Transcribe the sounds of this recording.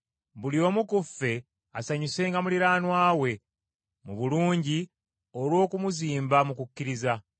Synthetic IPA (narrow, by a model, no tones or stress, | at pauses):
bulio̞ːmukufːe̞ | asaɲuse̞ːŋɡamuliɾaːnwaːwe̞ | muβuluːɲɟi | olwo̞ːkumuziːmbamukukːiɾiza